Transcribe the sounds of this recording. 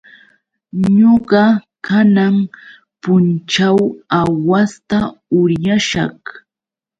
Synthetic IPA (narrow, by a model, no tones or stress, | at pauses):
ɲoɢɑ | kanam | pʊnt͡ʃawawast̪aʊɾjaʃɑ̰χ